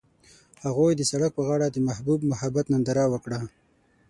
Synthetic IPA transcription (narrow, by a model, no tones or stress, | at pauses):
haɣojd̪əsaɽak̚pəɣɑɽad̪əmahbubmʊhabat̪nand̪aɾawəkɽa